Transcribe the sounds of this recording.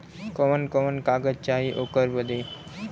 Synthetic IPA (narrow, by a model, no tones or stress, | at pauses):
kɔmənkɔmənkaɡətt͡ɕaɦiʔokəɾbəd̪e